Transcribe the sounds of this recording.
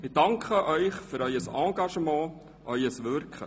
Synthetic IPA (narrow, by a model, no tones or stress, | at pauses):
mɪdɑŋkχəʔœʏχføɾœʏəsɑ̃ːɡɑʃəmɑ̃ː | ʔœʏəsʋɵɾkχə̰